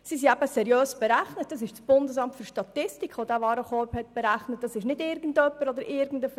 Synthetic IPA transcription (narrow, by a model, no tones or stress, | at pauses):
sisiæbəsɛɾjøːsb̥ɛɾæχnət̚d̥ɑsɪʃsb̥ʊndəsɑmtfyɾʃtɑtɪstikʰʋod̥æːʋɑːɾəχɔphɛt̚b̥ɛɾæχnət̚d̥ɑsɪʃnɪdɪɾɡən̩dœpːəɾɔd̪əɾʔɪɾɡən̩dəf